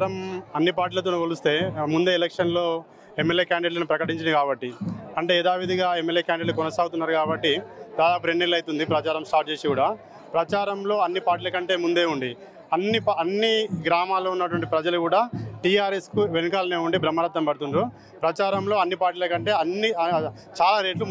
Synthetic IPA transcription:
ɾɐmɐnːipaːɾʈiːlɐt̪̬oːnukɐlust̪e̞ːmund̪e̞ːlɛkʂɐnlo̞ː | emːeljeːkaːɳɖiɖlɐnupɾɐkɐʈiɲt͡ʃind̪ikaːbɐʈːiɐɳʈe̞ːɛd̪aːʋid̪iɡaːemːe̞ljeːkjaːɳɖiʈlukɔnɐsaːɡut̪unːaːɾukaːbɐʈːid̪aːd̪aːp̬uɾenːelːɐjt̪und̪ipɾɐt͡ʃaːɾɐmsʈaːɾʈ̚t͡ʃe̞ːsikuːɽaː | pɾɐt͡ʃaːɾɐmlo̞ːɐnːipaːɾʈiːlɐkɐɳʈe̞ːmund̪e̞ːuɳɖi | ɐnːipɐnːiɡɾaːmaːloːunːɐʈuʋɐɳʈipɾɐd͡ʒɐlukuːɽaːʈiːaːɾe̞skuʋenukaːlɐneːuɳɖibɾɐmːɐɾɐt̪ːɾɐmbɐɽut̪unɾu | pɾɐt͡ʃaːɾɐmlo̞ːɐnːipaːɾʈiːlɐkɐɳʈe̞ːɐnːi | t͡ʃaːlaːɾe̞ːɖlu

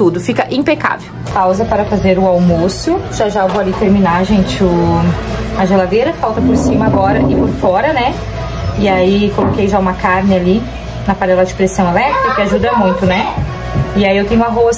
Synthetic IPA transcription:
t̪ud̪ʊfikɐʔĩpeka̰vewpawzɐpaɾɐfazeɾʊawmosʊʒaʒaewvoalit̪eɾminaʒẽnt͡ʃɪʊ | ɐʒelad̪ejɾɐfawt̪ɐpoɾsĩmɐaɡɔɾɐʔɪpoɾfɔɾɐnɛ | ɪaikolokejʒaũmɐkaɾnɪali | nɐpanɛlɐd͡ʒɪpɾesɐ̃w̃elɛt̪ɾɪkɐkɪaʒud̪ɐmũj̃t̪ʊnɛ | ɪaiewt̪ẽɲ̃ʊũaɦos

